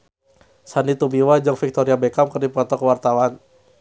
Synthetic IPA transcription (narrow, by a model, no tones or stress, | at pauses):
sanit̪ubiwad͡ʒəŋfik̚t̪ɔɾiabɛkamkərdipɔt̪ɔkəwart̪awan